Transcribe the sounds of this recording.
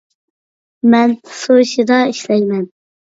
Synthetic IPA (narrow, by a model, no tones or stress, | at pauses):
mɛnsoʃid̪ɑiʃlɛjmɛn